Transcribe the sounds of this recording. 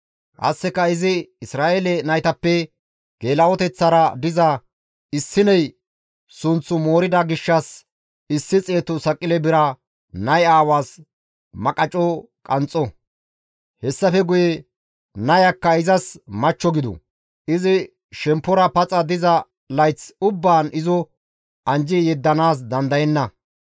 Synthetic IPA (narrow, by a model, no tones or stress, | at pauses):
ʔɐ̰sːɛkːɐɪzɪɪsɾaːeːlɛnɐjt̪ɐpːɛ | ɡ̥e̞ːlɐwɔt̪ɛt͡sːɐɾɐd̪ɪzɐ | ɪsːɪnɐj | sʊnt͡sːʊmo̞ːɾɪd̪ɐɡɪʃːɐs | ɪsːɪt͡sʼe̞ːt̪ʊsɐkʼːɪlɛbɪɾɐ | nɐjaːwaːs | mɐkʼɐt͡ʃʼɔkʼɐnt͡sʼːɔ | hɛsːɐfɛɡʊjɛ | nɐjɐkːɐɪzɐsmɐt͡ʃːɔɡɪd̪ɔ̰ | ɪzɪ | ʃɛmpːɔɾɐpɐt͡sʼɐd̪ɪzɐ | lɐjt͡sʊbːaːnɪzɔ | ʔɐnd͡ʒɪjɛd̪ːɐnaːs̬d̪ɐnd̪ɐjɛnːɐ